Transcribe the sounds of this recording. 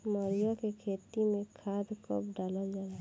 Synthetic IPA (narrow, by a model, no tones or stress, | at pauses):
məɾijakekʰeːt̪imẽkʰaːd̪kə̰pɖaːləld͡ʒaːa